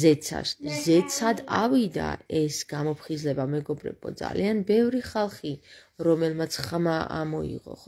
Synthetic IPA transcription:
zɛsʰa̰ʃzɛt̪sʰad̪avid̪a̰ɛsɡ̥amɔpʰχizlɛbamɛɡɔbɾɛ̰bɔ̰d̪za̰lianbɛvɾiχalˠχi | ɾɔmɛlmat̪sʰχmaamɔḭʁɔ̰χ

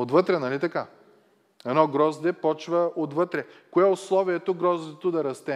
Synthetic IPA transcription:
ot̪vɤt̪ɾɛnɐlit̪ɐka | ɛnɔɡɾɔzd̪ɛpɔt͡ʃvɐot̪vɤt̪ɾɛkoɛoslˠɔviɛt̪oɡɾɔzd̪ɛt̪od̪ɐɾɐst̪ɛ

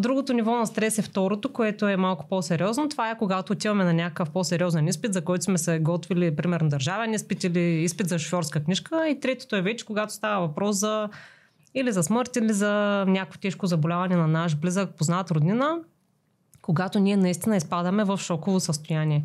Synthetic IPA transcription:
d̪ɾuɡot̪onivɔnɐst̪ɾɛsɛft̪ɔɾot̪okoɛt̪oɛmalˠkʊ̥posɛɾʲɔznot̪ovaɛkoɡat̪oːt̪ivɐmɛnɐnʲakəkəfposɛɾʲɔzɛnispit̪zɐkɔjt̪osmɛsɛɡɔt̪vilipɾimɛɾnod̪ɐɾʒavɛnispit̪iliispit̪zɐʃofʲjɔɾskəknʲiʃkəit̪ɾɛt̪o̥t̪oɛvɛt͡ʃɛ̥koɡat̪o̥st̪avɐvɐpɾɔszɐ | ilizɐsmɤɾt̪ilizɐnʲakkvot̪ɛʃkozɐbolʲavɐnɛnɐnaʃblizək̚poznat̪ɾʊd̪ninə | koɡat̪onʲiɛnɐist̪inəispad̪əmɛvɐfʃɔkovosəst̪ojaniɛ

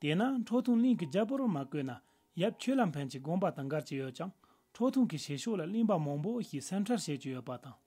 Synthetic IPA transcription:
t̪enaɳ̥ʈ͡ʂʰoʔt̪ʰuŋliŋkid͡ʑaʔpormakøːna | jap̚t͡ɕʰøːlam̥pʰent͡ɕiɡoŋpat̪ɑŋɡart͡ɕijøʔt͡ɕɑŋ̥ | ʈ͡ʂʰoʔt̪ʰuŋkiɕʰeːɕʰoʔlalinpamɑŋpoɕisʰem̥ʈ͡ʂʰarɕet͡ɕəjøʔpat̪ɑŋ

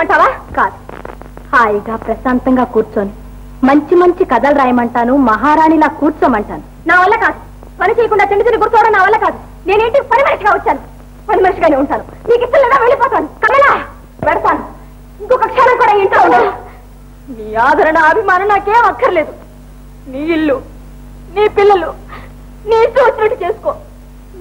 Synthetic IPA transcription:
ɐɳʈaːʋaːkaːd̪u̥ | haːjiɡaːpɾɐsaːnt̪ɐŋɡaːkuːɾt͡ʃoːni | mɐɲt͡ʃimɐɲt͡ʃikɐd̪ɐlɾaːjɐmɐɳʈaːnumɐɦaːɾaːɳilaːkuːɾt͡ʃoːmɐɳʈaːnu | naːʋɐlːɐkaːd̪u | pɐnit͡ʃeːjɐkuɳɖaːt͡ʃɐɳɖit̪iniɡuɾt̪ɔːʋɐɽɐnːaːʋɐlːɐkaːd̪u | ne̞ːne̞ːɳʈipɐnimɐɾɐʂɐɡaːʋɐt͡ʃːaːnu | pɐnimɐnɐʂɐɡaːneuɳʈaːnu | niːkit̪ːɐlːɛːd̪aːʋe̞ːɭipɔːt̪aːnukɐmɛlaː | ʋɛɽɐt̪aːnu | iŋkoːkɐkʂanɐmkuːɽaːeɳʈlouɳɖa | niːaːd̪ʱɐɾɐnɐːbʱimaːnɐmnːaːkeːmɐkʰːɐɾile̞ːd̪u | niːilːu | niːpilːɐlu | niːsuɐt͡ʃːnɐʈːit͡ʃeːsu̥koː

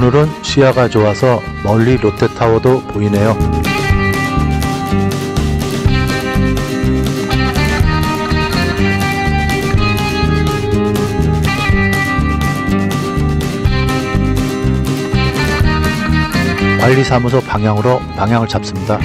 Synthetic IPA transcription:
onɯɾɯnɕʰiaɡat͡ɕoasʰʌ | mʌʎːiɾotʰe̞tʰawʌdopoine̞jo | paʎːisʰamusʰʌpaŋɦjaŋɯɾopaŋɦjaŋɯɭt͡ɕap̚s͈ɯmɲida

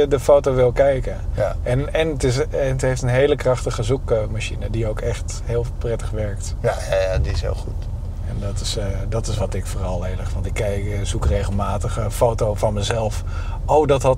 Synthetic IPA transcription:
ədəfowtowʋɪlˠkɛjkəɛnɛnətɪsɛntɦejftənɦejləkrɑχtəχəzukəmaʃinədiowkɛχt | hɪːlˠprɛtəχʋɛɹkt | jjajadiɪshɪ̰lˠχut | ɛndɔtɪsdɔtɪsʋɑtɪkfoːrɑlˠeːləχʋɑntɪkːɛjz̥ukrejχəlˠmaːtəχəfowtowfɔnməzɛlˠf | owdɔtɦɑt

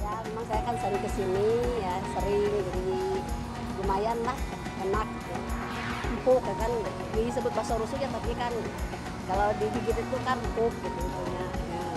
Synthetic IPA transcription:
jamemaŋsajakansəɾɪŋkəsinijasəɾɪŋd͡ʒadi | d͡ʒumajanlah | ənak̚u | m̩pʊkakan | disəbʊt̪̚basaɾusuk̚ɲat̪apikan | kaladiɦiɡit̪it̪ukanmpʊk̚ɡit̪uɡit̪uɲaja

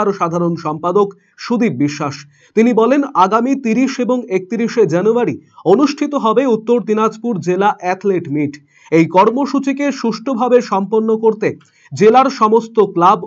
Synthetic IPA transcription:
aɾʃad̪ʱaɾonʃɔmpad̪ok | ʃud̪ibbiʃːaʃ | t̪inibɔlenaɡamit̪iɾiʃeboŋek̚t̪iɾiʃed͡ʑanuaɾionuʃʈʰit̪oɦɔbeut̪ːoɾd̪inad͡ʑpuɾd͡ʑelaʔɛt̪leʈmiʈ | ejkɔɾmoʃut͡ɕikeʃuʃʈʰobʱabeʃɔmponːokoɾt̪e | d͡ʑelaɾʃɔmost̪oklab

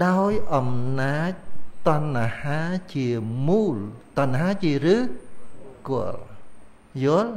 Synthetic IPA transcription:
ɗaɔjʔɑmnaːc̚t̪ŏənːahaːt͡ɕiəmuːlt̪ŏənʔaɦaːt͡ɕiərɨː | koəl | jʊəl

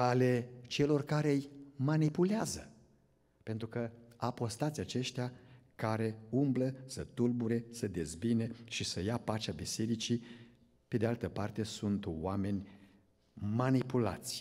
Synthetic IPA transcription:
ale̞t͡ʃe̞lo̞rkaɾe̞jmanipuleazə | pe̞nt̪ɾukəapo̞st̪at̪sʲat͡ʃe̞ʃt̪eakaɾe̞umbləsət̪ulbuɾe̞səd̪e̞zbineʃisəjapat͡ʃabise̞ɾit͡ʃi | pe̞d̪ealt̪əpart̪e̞sunt̪wame̞nʲ | manipula̰t̪sʲ

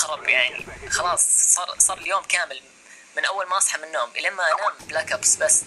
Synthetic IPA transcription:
xɑɾˤɑbjaʕnḭxɑlɑːsˤsˤɑːɾˤsˤɑːɾˤɪljoːmkaːmɪl | mɪnʔawːalmaʔɑsˤħɑmɪnːoːmlamːaʔanablakapsbasː

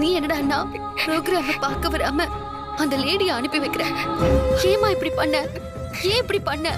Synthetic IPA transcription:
nĩːɛnːɐɽaːnːaː | pɾoːɡɾaːmɐpaːɾkɐʋɐɾaːmɐ | ɐnd̪ɐneːɽɪjɐɐnɯpːiʋɐɪkːɪɾẽː | eːmaːɪpːɐɽipɐɳːɛ̃ | ẽːɪpːɐɽipɐɳːɛ

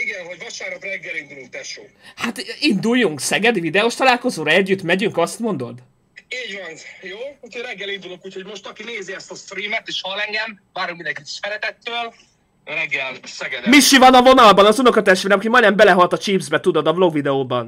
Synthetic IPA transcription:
iɡɛnɦo̞ɟvɒʃaːɾɔt̪rɛɡːɛlind̪ulunt̪ɛʃoːhat̪ind̪ujːuŋksɛɡɛd̪ivid̪ɛoʃt̪ɒlaːlko̞zoːɾɒɛɟːyt̪mɛɟyŋkɒst̪mo̞nd̪o̞d̪ | eːɲvɒnjoːutʰoɾɛɡːɛlind̪ulo̞kuːcho̞ɟmo̞ʃt̪ɒkineːziɛst̪ɒst̪riːmɛt̪eːʃhɒlɛŋɡɛm | vaːɾokmind̪ɛŋkit̪i̥ʃfɛɾɛt̪ɛt̪ːøːl | ɾɛɡːɛlsɛɡɛd̪miʃivɒnɒvo̞nɒlbɒnɒzuno̞kɒt̪ɛʃt̪eːɾɛmkimɒjnɛmbɛlɛɦɒlt̪ɒt͡ʃiːbzbɛt̪ud̪o̞d̪ɒblo̞ɡvid̪ɛoːbɒn

